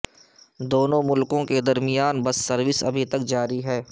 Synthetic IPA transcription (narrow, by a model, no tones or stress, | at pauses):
d̪oːnõmʊlkõked̪ɐɾmijaːnbɐsːɐɾʋɪsɐ̰bʱit̪ɐkd͡ʒaːɾiɦɛː